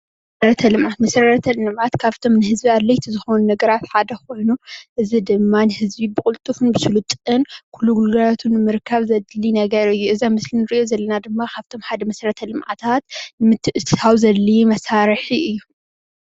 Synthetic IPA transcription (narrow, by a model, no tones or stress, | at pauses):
mɐsɾɐt̪ʰɐlɨmʕat̪mɐsɾɐt̪ʰɐlɨɨmʕat̪kʰaβt̪ʰo̞mnɨhɨzbiad̪lɐjt̪ʰizɨxo̞nunɐɡɐɾat̪ħad̪ɐxo̞jnuʔɨzid̪ɨmːanɨhɨzbibɨkʼʊlt̪ʼufɨnbɨsulut̪ʼɨnkʰulːuɡulɡɐlat̪ʰunɨmɨɾkʰːɐβzɐd̪linɐɡɐɾɨjːuɨzamɨslinɨɾiʔjo̞zɐlːɐnad̪ɨmːakʰaβt̪ʰo̞mħad̪ɐmɐsɾɐt̪ʰɐlɨmʕa̰t̪ʰat̪mɨt̪ʰːɨʔɨt̪ʰɨt̪ʰawzɐlːimɐsaɾħiɨjːu